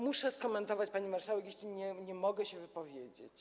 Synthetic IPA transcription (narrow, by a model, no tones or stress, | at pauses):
muʂɛskɔmɛnt̪ɔvat͡ɕpaɲimaɾʂawɛk̬jeɕlʲiɲɛɲɛmɔɡɛɕɛvɘpɔvʲjed͡ʑḛt͡ɕt͡ɕ